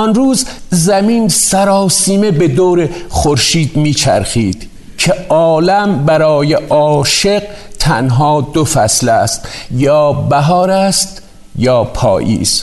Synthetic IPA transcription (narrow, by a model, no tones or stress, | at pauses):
ɒnɾuːzzæmiːnsæɾɒːsiːme̞be̞d̪oːɾeχoɾʃiːd̪miːt͡ʃʰæ̰ɾxiːd̪̥ | cʰeʔɒːlæmbæɾɒːjeʔɒːʃe̞ɢ̚ | t̪ʰænɦɒːd̪ofæslæst̪jɒːbæɦɒːɾæst̪ | jɒːpʰɒ̰ːjḭːz̥